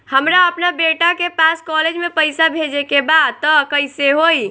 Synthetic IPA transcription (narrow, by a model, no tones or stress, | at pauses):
həmɾaəpnabeʈakepaskɔled͡ʒmepəɪsabʱed͡ʒekebad̪̚t̪ɔkəɪseɦoi